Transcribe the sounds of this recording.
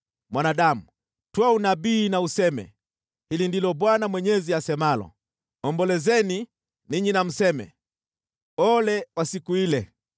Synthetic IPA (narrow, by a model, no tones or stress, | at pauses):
mwanaɗamu | twaunaɓiːnausɛmɛ̰ | hilindilɔɓwanamwɛɲɛziasɛmalɔ̰ | ɔmbɔlɛzɛni | niɲinam̩sɛmɛ̰ | ɔlɛwasikuilɛ